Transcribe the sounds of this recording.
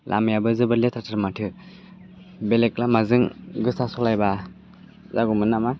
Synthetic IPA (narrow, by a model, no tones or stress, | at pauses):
lʔa̰mjabɯzɯbɯɾlet̪ʰatʰaɾmatʰɯ | beleklamazɯŋɡɯsasɔlajba | zaɡumɯnːama